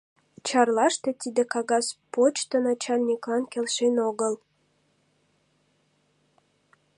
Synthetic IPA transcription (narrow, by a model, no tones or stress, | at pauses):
t͡ɕɑrlɑʃt̪e̽t̪ʲid̪ekɑɣɑspot͡ɕt̪ənɑt͡ɕɑlʲnʲiklɑnkʲelʃenoɣəl